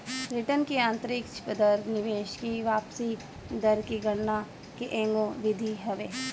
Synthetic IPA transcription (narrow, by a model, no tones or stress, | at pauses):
bɾɪʈənkiãːnt̪ɾɪkt͡ʃʰpəd̪əɾnɪʋeːʃkiʋaːpsi | d̪ɐɾkiɡɐɽna | keʔẽːŋɡõʋɪd̪ʱiɦɐʋeː